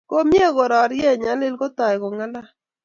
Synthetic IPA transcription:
ko˦mje˦ɣo˨ɾɔ˨ɾjɛ˦˨ɲa˨˦lɪ˦lɡo˦t̪a˨jɡɔ˨ŋa˦la˦

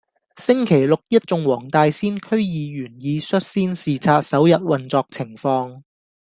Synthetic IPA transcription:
sɪ˥ŋkʰe˨˩jlʊ˨k̚jɐ˥t̚t͡sʊ˧ŋwɔː˨˩ŋt̪aː˧jsiː˥nkʰɵ˥ɥjiː˨˧jyː˨˩njiː˨˧sɵ˥t̚siː˥nsiː˨˩t͡sʰaː˧t̚sɐ˨˥wjɐ˨t̚wɐ˨nt͡sɔː˧k̚t͡sʰɪ˨˩ŋfɔː˧ŋ

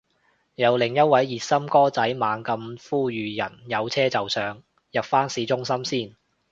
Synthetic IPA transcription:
jɐ˨˧wlɪ˨˩ŋjɐ˥t̚wɐ˨˥jːiː˨t̚sɐ˥mkɔː˥t͡sɐ˨˥jmaː˨˧ŋkɐ˧mfuː˥jyː˨jɐ˨˩njɐ˨˧wt͡sʰɛː˥t͡sɐ˨wsœː˨ŋ | jɐ˨p̚faː˥nsiː˨˧t͡sʊ˥ŋsɐ˥msiː˥˩n

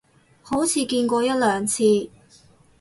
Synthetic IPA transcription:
ho˨˥wt͡sʰiː˨˧kiː˧nkʷɔː˧jɐ˥t̚lœː˨ŋt͡sʰiː˧

